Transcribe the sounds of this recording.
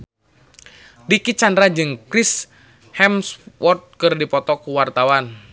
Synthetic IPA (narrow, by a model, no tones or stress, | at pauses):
dikit͡ʃandɾad͡ʒɨŋkɾis | hɛmswɔrt̪̚kɨrdipɔt̪ɔkuwart̪awan